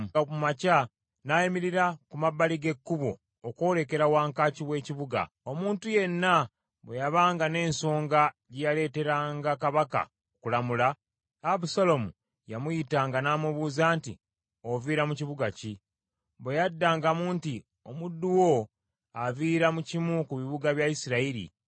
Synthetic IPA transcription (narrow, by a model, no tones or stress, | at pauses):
umaca | najimiɾiɾakumaβːaliɡe̞kːuβo̞̰ː | ko̞ːle̞ke̞ɾawaːŋkaːciwe̞ːciβuɡa̰ | o̞muːntuje̞nːa | βwejaβaːŋɡane̞ːnso̞ːŋɡa | ɟejale̞ːte̞ɾaːŋɡakaβaka̰ | okulamulaː | βusalo̞mṵ | jamujitaːŋɡanaːmuβuːzaːntḭ | oviːɾamuciβuɡaci | βwejadːaːŋɡamuːnti | o̞mudːuwo | aviːɾamucimukuβiβuɡaβjaisiɾaiɾḭ